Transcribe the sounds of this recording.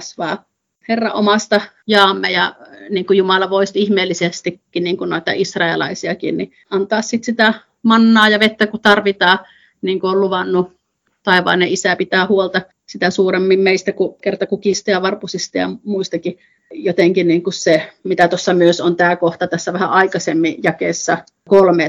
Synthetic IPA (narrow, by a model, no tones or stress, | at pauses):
sʋɑ̰ː | herːɑʔʔomɑst̪ɑ | jɑːmːejɑniːŋkujumɑlɑʋoˑist̪ihmeːlːisest̪ikːiniːŋkunoˑet̪ɑ̰ʔisrɑelɑ̰isiɑkḭnni | ʔɑnt̪ɑːssit̪sit̪æ | mɑnːɑːjɑʋet̪ːækut̪ɑrʋit̪ɑː | niːŋkuolluʋɑnːu | t̪ɑeʋɑ̰ːneʔʔisæpit̪æːhuolt̪ɑ | sit̪æsuːremːimmeist̪ækukert̪ɑkukist̪ɑjɑʋɑrpusist̪ɑjɑ̰muist̪ɑki | jot̪eŋkiniːŋkussemit̪æt̪osːɑmyøsont̪æːkoht̪ɑt̪æsːæʋæhæ̰ʔɑikɑsemːijɑkeːsːɑ | kolmeː